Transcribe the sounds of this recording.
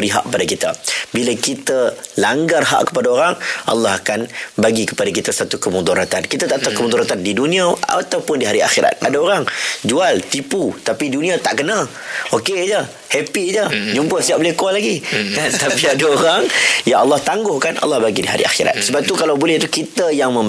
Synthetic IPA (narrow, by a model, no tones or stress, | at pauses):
bəɾiɦa̰ʔkə̥padakit̪a̰bilakit̪alaŋɡarɦa̰ʔkə̥padaoɾaŋʔɑ̰lːɑɦakanbaɡikə̥padak̬it̪asat̪ukəmud̪ɔɾat̪ankit̪at̪aʔt̪akəmɔd̪ɔɾat̪andidunĩaa̰t̪awpʊndiɦaɾia̰xiɾa̰t̪̚ʔadaoɾaŋd͡ʒualt̪iput̪apidunĩat̪aʔkəna | oked͡ʒə | hɛpid͡ʒəd͡ʒumpəhsiaʔ̚bəlɪhkɔlaɡikant̪apiadaoɾaŋjaɑlːɑht̪aŋɡʊhkanɑ̰lːɑhbaɡidiɦa̰ɾḭʔa̰xḭɾa̰t̪̚səbap̚t̪ukalawbolɛht̪ukit̪əjaŋmə̃